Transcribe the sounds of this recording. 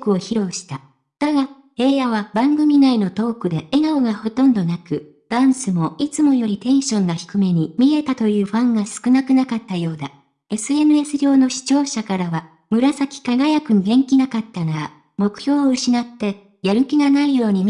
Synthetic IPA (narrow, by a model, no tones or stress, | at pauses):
kɯ̟o̞çiɾo̞ːɕi̥t̪a | d̪̥aɡa | e̞ːjaβabãŋɡɯ̟mʲinaino̞t̪o̞ːkɯ̟d̪e̞eɡaoɡaho̞t̪õ̞nd̪o̞nakɯ̟ | d̪̥ãɰ̃sɨmo̞it͡sɨmo̞jo̞ɾʲit̪ẽ̞ɰ̃ɕõ̞nːaçi̥kɯ̟me̞ɲ̟imʲie̞t̪at̪o̞jɯ̟ːɸãŋɡasɨ̥kɯnakɯ̟nakat̪ːajo̞ːd̪a | e̞sɨe̞nɯ̟e̞sɨɾʲo̞ːno̞ɕi̥t͡ɕo̞ːɕakaɾaβa | mɯ̟ɾasakʲi̥kaɡajakɯ̟iɡẽ̞ŋkʲinakat̪ːanaa | mo̞kɯ̟̥çʲo̞ːɯ̟ɕinat̪ːe̞ | jaɾɯ̟kʲiɡanaijo̞ːɲ̟i